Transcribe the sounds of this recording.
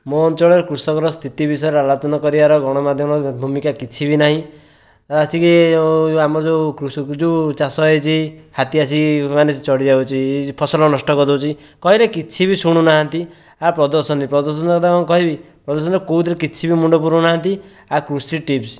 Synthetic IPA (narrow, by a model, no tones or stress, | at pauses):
mɔːnt͡ʃɔɭɔɾekɾusɔkɔɾɔst̪ʰit̪ibis̬ɔeɾalɔt͡ʃɔnɔkɔɾibaɾɔɡʱɔɽ̃ɔmad̪ʱjɔmɔbʱumikakit͡ʃʰibinaɦĩ | asikiamɔɔd͡ʒokɾusd͡ʒet͡ʃasɔet͡ʃʰihat̪iasʰimanest͡ʃɔɽid͡ʒawt͡ʃʰipʰɔsɔlɔnɔsʈɔkɔd̪ɔwt͡ʃʰi | kɔɦilekit͡ʃʰibisuɽ̃unaɦant̪i | apɾɔd̪ɔɾsɔnɾipɾɔd̪ɔɾsɔnkd̪akɔkɔɦibi | pɾɔd̪ɔɾs̬ɔnɾkout̪ɾekit͡ʃʰibimuɳɖɔp̬uɾunaɦant̪i | akɾusiʈips